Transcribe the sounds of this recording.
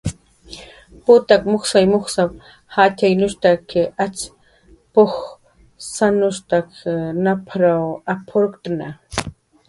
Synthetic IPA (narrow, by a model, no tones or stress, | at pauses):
pʊt̪akmoχsajmoχsap̚ | hat̪ajnʊʃt̪akeʔat͡s | pox | sanʊʃt̪akʰnapʰɾawapʰoɾkt̪na